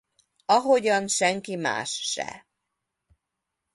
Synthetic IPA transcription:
ɒɦo̞ɟɒnʃɛŋkima̰ːʃːɛ̰

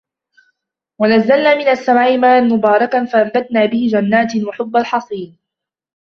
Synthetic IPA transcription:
wanazːalnaːmɪnasːamʕiːmaːnmʊbɑːɾˤɑkanfaʔambat̪naːbɪhɪd͡ʒanːaːt̪waħʊbːalħɑsˤiːn

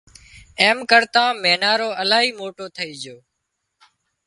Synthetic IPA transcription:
eːmkəɾt̪ãːmeːnaːɾoːʔəlaːɦiːmoːʈoːt̪ʰəiːd͡ʒoː

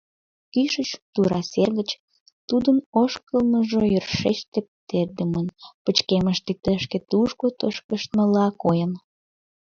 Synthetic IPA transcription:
kyʃət͡ɕt̪uɾɑserɣət͡ɕ | t̪ud̪ənoʃkəlməʒojørʃeʃt̪epət̪erd̪əmənpət͡ɕkeməʃt̪et̪əʃket̪uʃkot̪əʃkəʃt̪məlɑkojən

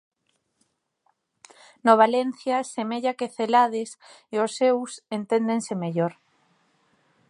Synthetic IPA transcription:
noβ̞alenθjasemeʎakeθelaðes | eosːewsent̪end̪ensemeʎoɾ

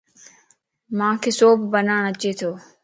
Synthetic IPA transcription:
mãːkʰeːsoːbbənaːɳ̃ət͡ʃeːt̪ʰoː

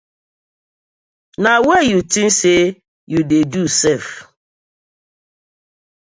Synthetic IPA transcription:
nawɛjutin̩se | judedusɛf

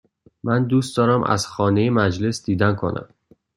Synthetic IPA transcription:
mænd̪uːst̪d̪ɒːɾæmʔæ̰z̥xɒːnejemæd͡ʒlesd̪iːd̪ænkʰo̰næ̰m

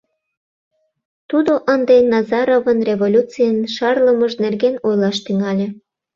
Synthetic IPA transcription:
t̪ud̪oʔənd̪enɑzɑɾovənrʲevolʲut͡sijənʃɑrləməʒnerɣenojlɑʃt̪yŋɑlʲe

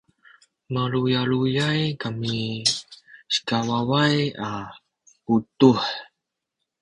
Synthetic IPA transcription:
maɾujaɭujajkami | sə̥kawawaja | putuħ

